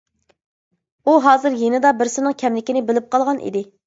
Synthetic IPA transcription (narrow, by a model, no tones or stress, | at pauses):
uɦɑːzɨɾjenɪd̪ɑbɪɾsɪnɨŋkʲʰɛmlɪkʲinɪbɪlɪp̚qʰɑlˠʁɑnʔḭd̪ɪ